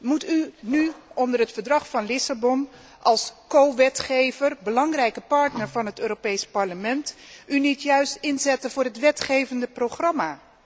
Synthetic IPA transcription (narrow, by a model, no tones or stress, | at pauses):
mutynyɔndərɦətfəɹdrɑχfɑnlɪsabɔn | ʔɑlˠskowʋɛtχejvərbəlɑŋrɛjkəpɑɹtnəɹvɑnɦətøːropejspɑɹləmɛntynitjœɥstɪnzɛtənvʊːɹɦətʋɛtχejvəndəprowχrɑmaː